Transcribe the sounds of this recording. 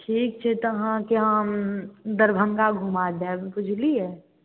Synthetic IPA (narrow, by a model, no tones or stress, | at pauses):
ʈʰiːk̚t͡ʃʰɛt̪oɦãkeɦã | d̪əɾbʱəŋɡaɡʱumad̪ɛːbpʊd͡ʒʱliɦɛː